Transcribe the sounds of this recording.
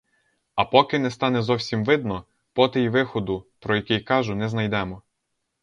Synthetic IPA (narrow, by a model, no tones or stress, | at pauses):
ɐpɔkɪnɛst̪ɑnɛzɔwsʲimʋɪd̪nɔ | pɔt̪ejiʋɪxɔd̪ʊpɾɔjɐkʲɪjkɑʒʊnɛznɐjd̪ɛmɔ